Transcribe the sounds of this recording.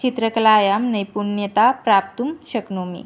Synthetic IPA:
it̪ɾəkəlaːjamnəjpuɾnjət̪apɾap̚t̪umɕəknomḭ

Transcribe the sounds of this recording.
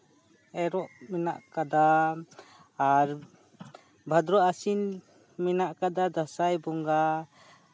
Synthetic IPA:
ɛɾɔʔmɛna̰ʔkad̪a | ɾ | bʱad̪ɾɔasin | mɛnaʔkad̪ad̪asajbɔŋɡa

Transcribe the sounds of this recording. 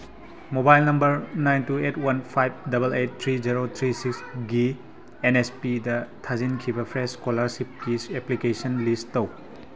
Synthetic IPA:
mobajlnɐmbɐɾnajntuetwɐnpʰajb̚dɐbɐlet̚tʰɾiziɾot̪ʰɾisiksɡi | enespidɐtʰazinkʰibɐpʰɾeskolɐɾsip̚kiseplikesɐnlisttɐw

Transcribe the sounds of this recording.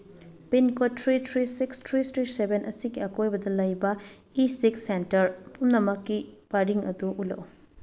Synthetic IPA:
pinkatɾitʰɾisikstʰɾistɾisebenʔɐsiɡiɐkojbɐdɐlɐjbɐ | isiksentɐɾpumnɐmɐkːibaɾiŋɐ̰duʔulo̰w

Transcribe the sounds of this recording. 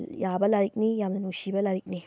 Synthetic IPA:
jaːbɐlɐɾik̚nijamnɐnuʃibɐlɐɾikni

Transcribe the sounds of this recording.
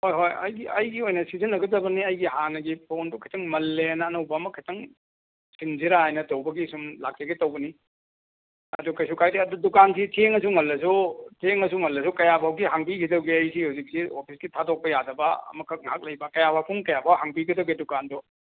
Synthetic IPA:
hojɦojɐ̰jɡiʔɐjɡiojnɐsizɐnːɐɡɐzɐbɐniɐjɡiɦanɐɡipʰondukʰɐtɐŋmɐlːenɐːnɐwbɐːmɐkʰɐtʰɐŋ | siŋziɾaajnɐtɐwbɐɡisumla̰k̚tɐɡitɐwbɐni | ɐ̰dukɐjsukʰajdiɐdudukansitʰeŋɐs̬uŋɐlːɐsutʰeŋɐsuŋɐlːɐs̬ukɐjapʰawɡihaŋpikʰidɐwɡiɐjsihawzik̚siopʰisɡitʰadok̚pɐjadɐbɐɐ̰mɐkʰɐk̚ŋɦak̚lɐjbɐkɐjapʰawpʰuŋkɐjapʰawɦaŋpiɡʰidɐwɡidukandu

